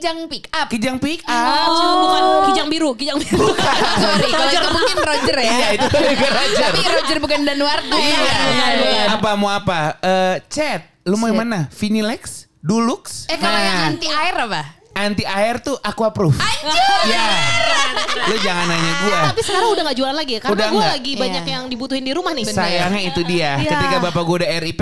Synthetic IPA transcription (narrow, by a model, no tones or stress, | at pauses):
d͡ʒaŋpikakid͡ʒaŋpikauŋakid͡ʒaŋbiɾukid͡ʒaŋbiɾbukaod͡ʒərpuŋɪŋɾod͡ʒərijait̪uɾod͡ʒərɾod͡ʒərbukandanuwaruaɲaɡuapamuapaət͡ʃɛt̪̚lumoimanafinilɛks | dulʊksɛkaaant̪iairaba | ʔant̪iʔaɛrt̪uʔakwapɾʊfja | lʊd͡ʒaŋanaɲaɡuaapisəkaɾaŋudahŋɡaʔd͡ʒualanlaɡiakaundamɡalaɡibaɲakjaŋdibut̪uhɪndiɾumahnɪsajaŋɲait̪udiakət̪ikabapaɡuaudaɛɾip